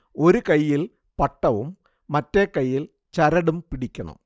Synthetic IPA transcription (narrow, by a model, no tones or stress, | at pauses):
o̞ɾukɐjːil | pɐʈːɐʋumː | ɐtːekːɐjːil | t͡ɕɐɾɐɽumpiɽikʲːɐɳɐ̰m